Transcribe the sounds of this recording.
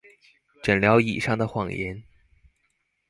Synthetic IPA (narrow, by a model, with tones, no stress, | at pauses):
ʈ͡ʂə˨˩nljɑ˧˥ʊḭ˨˩ʂɑ˥ŋd̪ə˨xwɑ˨˩ŋjɛ˧˥n